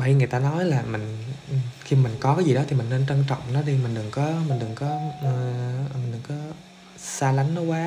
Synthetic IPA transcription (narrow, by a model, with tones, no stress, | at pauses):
a˨˧jŋɨ˨˩ət̪aː˧nɔ˨˦jlaː˨˩mï˨˩ŋ̟ʔxi˧˨mï˨˩ŋ̟kɔ˨˦kaː˨˦jzi˨˩ɗɔ˨˦i˨˩mï˨˩ŋne˧nt͡ɕə˧nt͡ɕɔ̰˧˨wŋ͡mnɔ˨˦ɗi˧mï˨˩ŋ̟ɗɨ˨˩ŋkɔ˨˦mï˨˩ŋ̟ɗɨ˨˩ŋkɔ˨˦˨ | ɗɨ˨˩ŋkɔ˨˦ | saː˧la˨˦jŋ̟nɔ˨˦kwaː˨˦